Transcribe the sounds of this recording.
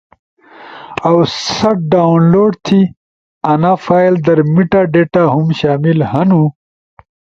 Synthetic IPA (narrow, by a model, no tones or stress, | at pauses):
ɐwsɐʈ̚ɖaunloːɖt̪ʰi | ɐnaːfaːjld̪ɐɾmiʈaɖeːʈaɦumɕaːmilhɐnu